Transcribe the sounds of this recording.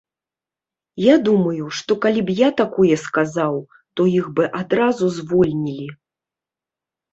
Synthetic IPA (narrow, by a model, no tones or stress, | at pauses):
jad̪umɐjuʂt̪ɔkalʲibjat̪akɔjɛskazaw | t̪ɔjiɣbɨʔad̪ɾazuzvɔlʲnʲilʲi